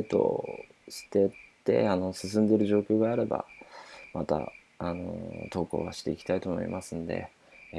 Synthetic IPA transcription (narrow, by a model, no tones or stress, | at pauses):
t̪o̞̰ | ɕi̥t̪e̞t̪e̞̰ano̞sɨs̬ɨ̃nd̪e̞ɾɯ̟ʑo̞ːkʲo̞ːɡaːɾe̞ba̰mat̪a̰ | ano̞̰t̪o̞ːko̞̰ːβa̰ɕi̥t̪e̞ikʲi̥t̪ait̪o̞ːmo̞̰ḭmʔasɨ̃nd̪e̞̰